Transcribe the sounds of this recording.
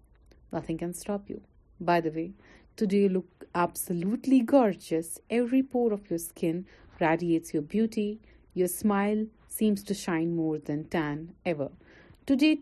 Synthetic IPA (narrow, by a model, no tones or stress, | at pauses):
nʌt̪ʰɪ̃ŋkæ̃nsʈɔpjṵ | baɪd̪əʋeː | tudejlʊkæbsəluːʈliɡɔɾd͡ʒəsɛʋɾipɔːɾɔfjɔskʰɪ̃n | ɾæɖieːʈsjɔːbjuːʈi | josmaɪl | sĩːmsʈuʃãɪ̃nmɔːɾd̪æ̃ntæ̃nɛʋə̰ɾ | ʈudeː